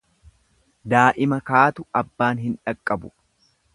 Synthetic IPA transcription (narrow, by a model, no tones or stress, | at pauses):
d̪aːʔɪmɐkaːt̪ʊɐbːaːnɦɪnᶑɐkʼːɐbʊ